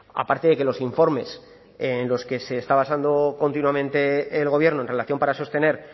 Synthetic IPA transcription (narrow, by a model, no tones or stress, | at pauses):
a̰paɾt̪e̞ðe̞kelo̞siɱfo̞ɾme̞s | enlo̞ske̞se̞ːst̪aβ̞asand̪o̞ko̞nt̪inuwamẽnt̪e̞ːlɣ̞o̞βje̞ɾnoenre̞laθjo̞mpaɾaso̞st̪e̞ne̞ɾ